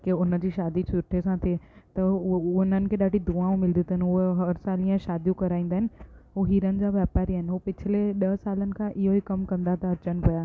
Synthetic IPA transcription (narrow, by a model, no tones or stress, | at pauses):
keʊnə̆d͡ʑiːʃaːd̪it͡ɕʰʊɾʈʰesãt̪ʰet̪ɐʊn̤ənɪ̆kʰeːɗaːɖid̪uãːũmɪld̪it̪əɦnɪɦʊɦeɦɐɾsaːlĩə̃ʃaːd̪ʱjũkɐɾaːĩːn̆d̪aːɦɪnɪ̆ɦuɦiːɾənɪ̆d͡ʑaːʋɛːpaːɾiaːɦɪnɪ̆ɦupɪt͡ɕʰɪleɗɐsaːlənɪ̆kʰãʔɪɦoɦikɐmkɐ̃nd̪at̪ɐɐt͡ɕənɪ̆pɐjaː